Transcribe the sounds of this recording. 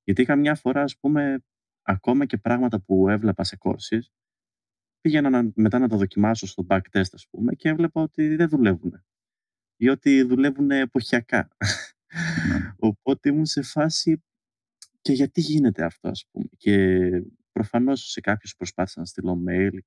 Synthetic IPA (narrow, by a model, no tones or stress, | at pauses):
ʝɐt̪ikɐmɲɐfo̞ɾɐːspume̞ | ɐko̞mɐce̞pɾɐɣmɐt̪ɐpue̞vle̞pɐseko̞̰ɾsis | piʝenɐnɐme̞t̪ɐnɐt̪̬ɐðo̞cimɐsost̪o̞bɐkt̪e̞st̪ɐspume̞cevle̞pɐo̞t̪iðeðule̞vune̞ | o̞t̪iðule̞vune̞ːpo̞çiɐkɐ̰ | o̞po̞t̪e̞imunse̞fɐsi | ce̞ʝɐt̪iʝinet̪e̞ɐft̪o̞̰ɐ̰sp̚ṵme̞ce | pɾo̞fɐno̞sse̞kɐpçospɾo̞spɐθi̥sɐnst̪ilo̞me̞jl